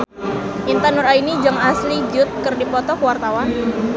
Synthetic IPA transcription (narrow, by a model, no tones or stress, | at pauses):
ʔint̪ənʊɾainid͡ʒaŋaslid͡ʒʊt̪̚kɨrdipɔt̪ɔkəwart̪awan